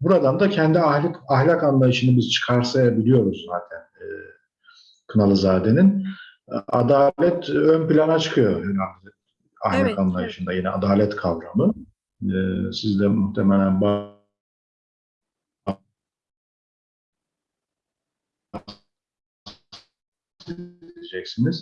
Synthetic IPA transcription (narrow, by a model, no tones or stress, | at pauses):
buɾad̪and̪acʰɛnd̪iahlʲakaɦlʲakanlˠajɯʃɯnɯbiz̥t͡ʃʰɯ̥kʰaɾsajabilʲijo̞ɾuzzːaːt̪ʰænː | kʰɯnalˠɯzaːd̪e̞nin | ad̪aːlʲɛt̪ønpilʲanat͡ʃʰɯ̥kʰɯjo̞hana | a̰hlʲakanlˠajɯʃɯnd̪ajinɛa̰d̪aːlʲɛt̪kʰavɾamɯ | sizd̪ɛmuxt̪ʰemelʲænba | a | led͡ʒɛcsiniz̥